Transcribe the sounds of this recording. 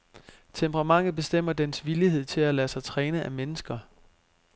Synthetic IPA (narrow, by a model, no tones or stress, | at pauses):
t͡sʰempʰəʁɑ̈mɑ̈ŋ̰ð̩ˠb̥e̝sd̥em̰ɐd̥ensʋiliɦe̝ð̞̰ˠt͡sʰe̝lælæsɑ̈ɪt͡sʰʁɛːnəʔæmenəsɡ̥ɐ